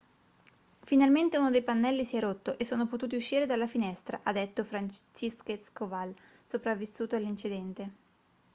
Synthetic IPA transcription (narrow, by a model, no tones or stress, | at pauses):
finalment̪euːnod̪ejpanːɛlːisiɛrot̪ːoʔesːoːnopot̪uːt̪iuʃːiːɾed̪alːafinɛst̪ɾa̰ʔad̪et̪ːofɾant͡ʃiskeskovalsopɾavːisːuːt̪oalːint͡ʃid̪ɛnt̪e